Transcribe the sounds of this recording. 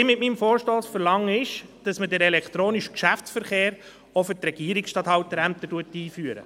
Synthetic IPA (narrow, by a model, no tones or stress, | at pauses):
ɪmɪtmiːmfoːɾʃtoːsfəɾlɑŋːəɪʃd̥ɑsmədɛɾɛlɛkt̪ɾoːniʃkʃæftsfəɾχeːɾ | ɔfətɾɛɡ̥iəɾɪksʃtɑːthɑwt̪əɾæm̚t̪ətuətiːfyəɾə̰